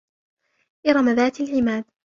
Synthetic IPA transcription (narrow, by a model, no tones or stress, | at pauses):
ʔɪɾˤɑmaðaːt̪alʕɪmaːð